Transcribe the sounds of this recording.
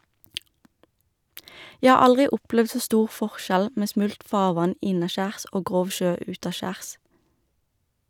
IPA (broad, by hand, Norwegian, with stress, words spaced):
ˈjæ ˈhɑː ˈɑlʁɪ ˈʔʊplɛʋd ˈsoː ˈstuːʁ ˈfɔʁˌʃæl ˈmeː ˈsmʉlt ˈfɑːʁˌʋɑn ˈɪnɑˌʃæːʁs ˈoː ˈɡʁoːʋ ˈʃøː ˈʉːtɑˌʃæːʁs